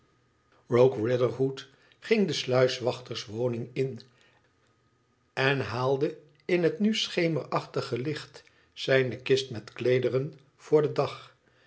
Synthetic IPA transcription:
ɹowkɹɪdəɹɦut | χɪŋdəslœɥsʋɑχtəɹsʋownɪŋɪn | ɛnɦaːlˠdə | ɪnɦətnysχejməɹɑχtəχəlɪχt | sɛjnəkɪstmɛtklejdərən | v̥ʊːɹdədɑχ

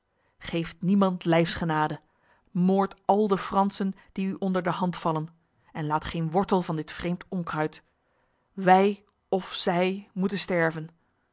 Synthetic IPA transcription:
χejftnimɑntlɛjfsχənaːdə | moːɹtɑlˠdəfrɑnsən | d̥iyʔɔndəɹdəɦɑntfɑlən | ɛnlaːtχejnʋɔɹtəlˠvɑndɪtfrejmtɔŋkrœɥt | ʋɛj | ɔfsɛjmutənstɛɹvən

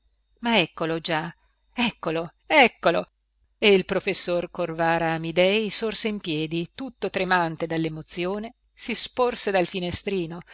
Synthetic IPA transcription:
maɛkːolod͡ʒa | ɛkːolo | ɛkːolo | eilpɾofesːorkorvaːɾaːmid̪ɛjsorseimpjɛːd̪it̪ut̪ːot̪ɾemant̪ed̪alːemot̪sːjoːne | sisporsed̪alfinest̪ɾiːno

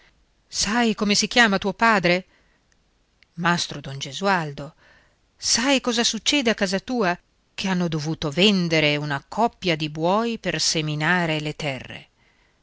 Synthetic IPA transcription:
sajkomesik̟jaːmat̪uopaːd̪ɾe | mast̪ɾod̪ond͡ʒezuald̪o | sajkɔːzasut͡ʃːɛːd̪eakːaːzat̪uːa | kʰeanːod̪ovuːt̪ovɛnd̪eɾeunakʰɔpːjad̪ibwɔːjperseminaːɾelet̪ɛrːḛ

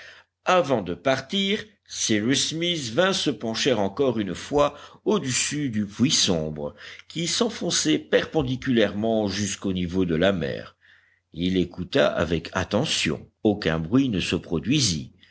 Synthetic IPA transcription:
avɑ̃d̪əpaʁt̪iʁ | siʁismisvɛ̃səpɑ̃ʃeʁɑ̃kɔʁynfwaod̪əsyd̪ypwisɔ̃bʁəkʲisɑ̃fɔ̃sɛpɛʁpɑ̃d̪ikʲylɛʁmɑ̃ʒyskonivod̪əlamɛ̰ːʁ | ilekut̪a̰ʔa̰vɛkʰa̰t̪ɑ̃sjɔ̰̃okɛ̃bʁɥinəsəpχɔd̪ɥizi

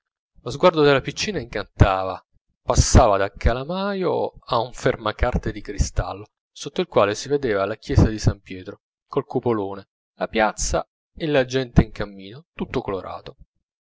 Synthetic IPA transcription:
lozɡward̪od̪elːapit͡ʃːiːnaiŋkant̪aːva | pasːaːvad̪akʰalamaːjoauɱfermakart̪ed̪ikɾist̪a̰lːo | sot̪ːoilkwaːlesived̪eːvalakjɛːsad̪isampjɛːt̪ɾo | kolkupoloːne | lapjat̪sːa | elad͡ʒɛnt̪eiŋkamːiːnot̪ut̪ːokoloɾʔa̰ːt̪o

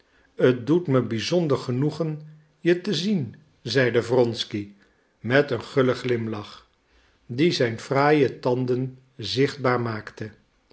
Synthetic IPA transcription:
ət̚dutməbizɔndəɹχənuχən | jətəzin | zɛjdəvrɔnski | mɛtənχøləχlɪmlɑχ | dizɛjnfraːjətɑndən | zɪχd̚baːɹmaːktə

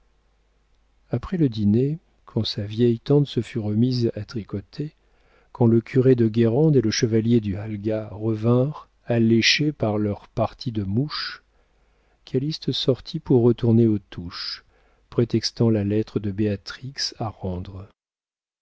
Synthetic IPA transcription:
apχɛləd̪ine | kʰɑ̃savjɛjt̪ɑ̃t̪səfyʁəmizat̪χikɔt̪ʰe | kʰɑ̃ləkʲʰyʁed̪əɡʲeʁɑ̃d̪eləʃəvaljed̪yalɡaʁəvɛ̃ʁ | aleʃepaʁlœʁpaʁt̪ʰid̪əmuʃ | kʰʲalist̪sɔʁt̪ʰipuʁːət̪uʁneot̪uʃ | pχet̪ɛkst̪ɑ̃lalɛt̪χəd̪əbeat̪χiksaʁɑ̃d̪ʁ

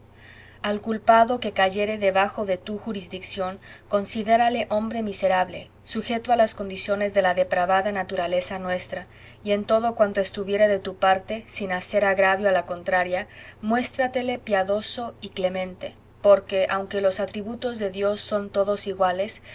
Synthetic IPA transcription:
alkulpaðo̞ke̞kaʝe̞ɾe̞ðe̞βaxo̞ðe̞t̪uxuɾizðiksjo̞ŋko̞nsiðe̞ɾale̞ʔo̞mbɾe̞mise̞ɾaβle̞̰ | suxet̪oalasko̞nd̪isjo̞ne̞zðe̞laðe̞pɾaβaðanat̪uɾale̞sanwe̞st̪ɾa | ie̞nt̪o̞ðo̞kwant̪oe̞st̪uβje̞ɾeðe̞t̪upaɾt̪e̞sinase̞ɾaɣɾaβjoalako̞nt̪ɾaɾjamwe̞st̪ɾat̪e̞le̞pjaðo̞so̞ikle̞mẽ̞nt̪e̞ | po̞ɾke̞ʔawŋke̞lo̞sat̪ɾiβut̪o̞zðe̞ðjo̞sːo̞nt̪o̞ðo̞siɣwale̞s

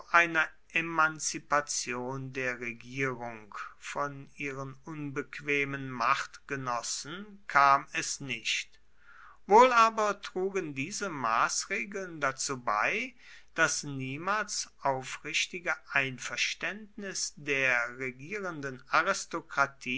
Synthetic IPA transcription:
ʔaɪnɐ | ʔemant͡sipat͡sjoːndeːɐʁeɡiːʁʊŋkfɔnʔiːʁənʔʊnbəkv̥eːmənmaχtɡ̥ənɔsən̩kʰaːmɛsnɪʃt | voːlʔaːbɐtʁ̥uːɡəndiːzəma̰ːsʁeːɡl̩ndat͡suːba̰ɪ | d̥asniːmaːlsʔaʊfʁɪʃtɪɡəʔaɪnfɛɐʃtɛntnɪsd̥eːɐʁeɡiːʁəndənaʁɪstokʁ̥atʰiː

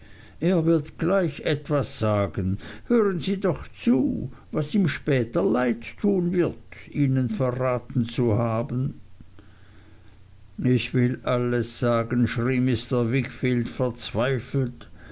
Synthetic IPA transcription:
ʔeːɐvɪɐtɡ̥laɪçʔɛtv̥asz̥aːɡənhøːʁənziːdɔχt͡suːvasiːmʃpɛːtɐlaɪtʰːuːnvɪɐtiːnənfɛɐʁaːtn̩t͡suhaːbən | ʔɪçv̥ɪlʔaləsz̥aːɡənʃʁ̥iːmɪstɐvɪkfiːltfɛɐt͡sv̥aɪfl̩t

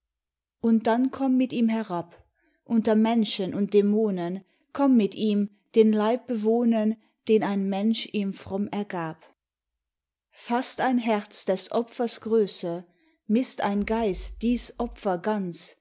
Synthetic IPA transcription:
ʔʊnt̚d̥ankʰɔmːɪtiːmɦɛʁap | ʔʊntɐmɛnʃənʔʊnt̚d̥emoːnən | kʰɔmːɪtiːm | d̥eːnlaɪp̚b̥əvoːnɐn | d̥eːnaɪnmɛnʃiːmfʁ̥ɔmɛɐɡaːp | fastaɪnɦɛɐt͡sd̥ɛsʔɔpfɐsɡ̥ʁøːsə | mɪsta̰ɪnɡaɪstd̥iːsʔɔfɐɡant͡s

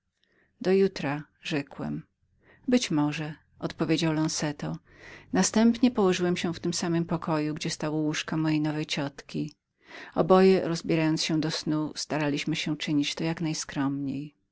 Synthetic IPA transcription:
d̪ɔjut̪ɾa | ʐɛkwɛ̰m | bɘt͡ɕmɔʐɛ | ʔɔt̪pɔvʲjed͡ʑawlɔnsɛt̪ɔ | nast̪ɛmpɲɛpɔwɔʐɘwɛmɕɛft̪ɘmsamɘmpɔkʰɔjuɡd͡ʑɛst̪awɔwuʂkamɔjejnɔvɛjt͡ɕɔt̪kʲi | ɔbɔjɛɾɔzbʲjɛɾajɔnsɕɛ̃d̪ɔsnust̪aɾalʲiɕmɘɕɛ̃t͡ʂɘɲit͡ɕt̪ɔjaknajskɾɔmɲej

